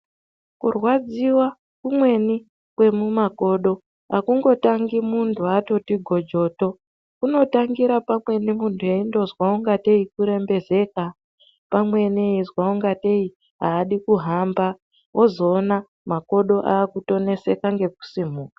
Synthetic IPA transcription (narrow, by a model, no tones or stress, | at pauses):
kṵrwad͡ziwa | kumwe̞ni | kwe̞mumako̞ːɗo̞ | akuŋɡo̞taŋɡimuntʰuato̞tiɡʱo̞d͡ʒo̞to̞ | kuno̞taŋɡiɾapamwe̞nimuntʰujeindo̞zwauŋɡate̞ikuɾe̞mbe̞ze̞ka | pamwe̞niizwauŋɡate̞i | ɦaːɗikuɦamba | wʔo̞zo̞ːna | mako̞ɗo̞ʔa̰ːkuto̞ne̞se̞kaŋɡe̞k̚u̥sim̤uːkḁ